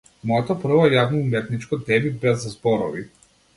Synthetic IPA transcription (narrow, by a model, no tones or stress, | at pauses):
mɔjɛt̪ɔpr̩vɔɛjavnɔumɛt̪nit͡ʃkɔd̪ɛbibɛzazbɔɾɔ̰vḭ